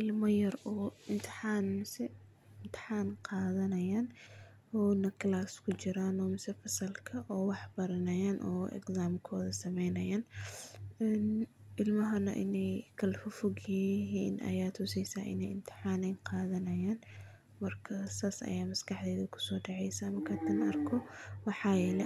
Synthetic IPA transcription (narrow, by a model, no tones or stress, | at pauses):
ʔɪlmɐjɐrɔːɪnt̪ʰɪ̥ħaːnmɪsɛ | ɪnt̪ʰɪ̥ħaːnqɑːðɐnɐjaːn | ɔːnɐkʰlaːskʰʊt͡ʃɪɾaːnɔːmɪsɛfɐsɐlkʰɐʔɔːwɑħbɐɾɐnɐjaːnʔɔ̰ːʔɛ̰ɡsaːmkʰɔːðɐsɐmɛjnɐjaːn | ɛnʔɪlmɐɦɐnɐ̰ʔɪ̰nɛjkʰɐlfʊfʊɡjɪɦiːnʔɐ̰jaːt̪ʰʊsɛjsaːʔɪ̰nɛjɪmt̪ʰɪ̥ħaːnɛjnqɑːðɐnɐjaːn | mɐrkʰɐsaːsɐ̰jaːmɐskɑħd̪ɛːðɐkʰʊ̥sɔːɖɑʕɛjsɐmɐkʰɐd̪ɐnɐɐrkʰɔwɑħɑːjɛlɛ